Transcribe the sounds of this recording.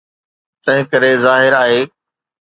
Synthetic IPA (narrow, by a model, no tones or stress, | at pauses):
t̪ɐ̃ɦɪ̃kɐɾezaːɦɪɾaːɦeː